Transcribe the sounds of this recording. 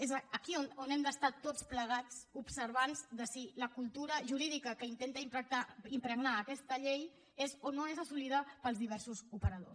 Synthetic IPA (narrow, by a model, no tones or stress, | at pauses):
ezəəkiononɛmd̪əst̪at̪ot͡spləɣ̞at͡supsəɾβanzðəsiləkulˠt̪uɾəʒuɾiðikəkəint̪ent̪əimpɾət̪aimpɾəɡnaːkɛst̪əʎej | ezonoezəsuliðəpəlˠzðiβɛɾsuzupəɾəðo̰s